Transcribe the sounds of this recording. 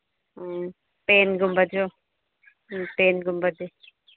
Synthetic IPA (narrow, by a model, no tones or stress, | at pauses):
peːnɡʊmbəd͡ʒo | peːnɡʊmbəd̪i